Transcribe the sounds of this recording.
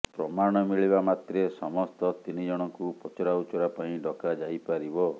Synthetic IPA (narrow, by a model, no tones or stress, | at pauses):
pɾɔmaɽ̃ɔmiɭibamat̪ɾesɔmɔst̪ɔt̪inid͡ʒɔɽ̃ɔŋkupɔt͡ʃɔɾaut͡ʃɔɾapaĩɖɔkad͡ʒajpaɾibɔ